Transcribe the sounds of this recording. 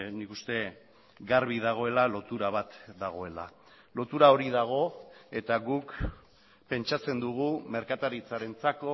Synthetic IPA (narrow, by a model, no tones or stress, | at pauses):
nikust̪e̞ | ɡaɾβiðaɣ̞o̞e̞lalo̞t̪uɾaβ̞at̪d̪aɣ̞o̞e̞la̰ | lo̞t̪uɾao̞ɾiðaɣ̞o̞e̞t̪aɣuk | pe̞nt͡ʃat͡se̞nd̪uɣ̞ume̞ɾkat̪aɾit͡saɾe̞nt͡sako̞